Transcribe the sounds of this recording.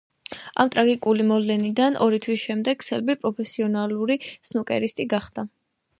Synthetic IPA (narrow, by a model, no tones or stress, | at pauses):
a̰mt̪ʼɾaɡikʼulimɔlɛnid̪anʔɔɾit̪ʰwisʃɛmd̪ɛɡ̚sɛlbipʼɾɔpʰɛsiɔnaluɾisnukʼɛɾist̪ʼiɡaχd̪̥a